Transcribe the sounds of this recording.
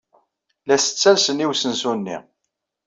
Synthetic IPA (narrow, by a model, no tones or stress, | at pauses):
læsə̥t͡sːælsəniwsənsunːḭ